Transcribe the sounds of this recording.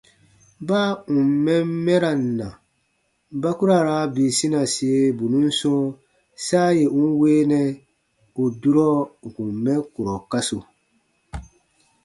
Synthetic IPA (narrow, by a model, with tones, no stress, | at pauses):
baː˦ũ˨m˨mɛ˦m˦mɛ˦ɾa˨n˨na˨ | ba˦ku˦ɾa˨ɾa˦bi˨si˦na˨si˨e˦bu˨nũ˦n̩˦sɔ̃˦ | saː˦je˨ʔu˦n˦weː˦nɛ˦ | u˨du˦ɾɔ˦ŋ̩˨ku˨m˨mɛ˦ku˨ɾɔ˨ka˦su˨